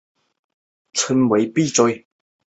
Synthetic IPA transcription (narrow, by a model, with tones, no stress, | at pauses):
t͡sʰə˨˥˦nwe˨˧˥ɪpi˥˨t͡sɔ˧˥j